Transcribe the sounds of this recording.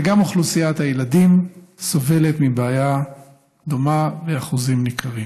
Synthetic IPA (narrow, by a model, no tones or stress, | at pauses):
eɡamoχlusijat̪hajelad̪im | so̞ve̞let̪mibaːja | d̪o̞maveaχuzimnikʰaʁim